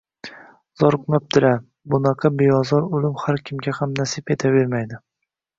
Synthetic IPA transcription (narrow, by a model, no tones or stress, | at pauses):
z̥ɒɾqmap̚t̪ʰɪla | bʊnɑqʰɑbeɒzɒɾʊlɪmhaɾkʲʰɪmɡʲahamnasɪpet̪ʰabe̞ɾmajd̪ɪ